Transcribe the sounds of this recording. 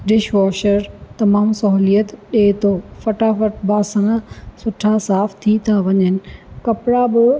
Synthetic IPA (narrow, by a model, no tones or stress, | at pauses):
ɖɪʃʋɔːʃəɾt̪ɐmaːmsɐɦulijət̪ɗeːt̪ʰofɐʈafɐʈ̚baːsəɽ̃sʊʈʰasaːft̪ʰit̪ʰaʋɐɲənɪ̆kɐpɪɽabɪ